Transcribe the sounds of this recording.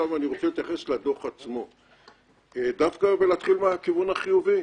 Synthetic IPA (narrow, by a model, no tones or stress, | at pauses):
avaniʁo̞t͡selet̪jaχe̞slad̪o̞χat͡smo̞ | d̪afkabelat̪χilmeakivunaχijuvi